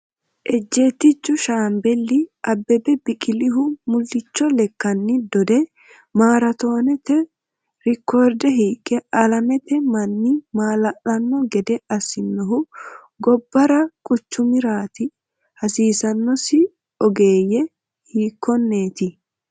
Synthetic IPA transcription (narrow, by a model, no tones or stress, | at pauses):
ʔɛd͡ʒːeːt̪ːɪt͡ʃːʊʃaːmbɛlːɪʔɐbːɛbɛbɪkʼɪlɪɦʊmʊlːɪt͡ʃːɔlɛkːɐnːɪd̪ɔd̪ɛ | maːɾɐt̪o̞ːnɛt̪ɛ | ɾɪkʰːoːɾd̪ɛɦiːkʼːɛɐlɐmɛt̪ɛmɐnːɪmaːlɐʔɐnːɔɡɛd̪ɛɐsɪnːɔɦʊ | ɡɔbːɐɾɐkʼʊt͡ʃːʊmɪɾaːt̪ɪ | hɐsiːsɐnːɔsɪ | ɔɡe̞ːjɛ | hiːkːɔnːe̞ːt̪ɪ